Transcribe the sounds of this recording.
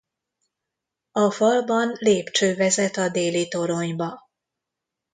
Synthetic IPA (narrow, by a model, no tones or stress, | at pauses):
ɒfɒlbɒnleːpt͡ʃøːvɛzɛt̪ɒd̪eːlit̪o̞ɾo̞ɲbɒ